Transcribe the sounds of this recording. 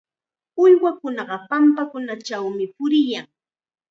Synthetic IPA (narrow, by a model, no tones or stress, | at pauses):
ʊjwakʊnɑɢɑpampakʊnat͡ʃawmɪpʊɾɪjaŋ